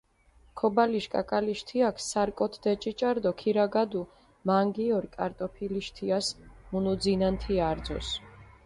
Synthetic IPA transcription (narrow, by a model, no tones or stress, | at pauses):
kʰɔbaliʃkʼa̰kʼaliʃt̪ʰiakʰsaɾkʼɔt̪ʰd̪ɛt͡ʃʼit͡ʃʼaɾd̪ɔkʰiɾaɡad̪u | maŋɡiɔɾkʼaɾt̪ʼɔpʰiliʃt̪ʰiasmunud̪zinant̪ʰiaɾd̪zɔ̰s